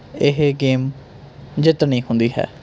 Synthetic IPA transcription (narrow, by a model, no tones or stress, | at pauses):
ɪɦeɡeːm | d͡ʒɪt̪ɳĩːhʊ̃nd̪iːɦɛ̰ː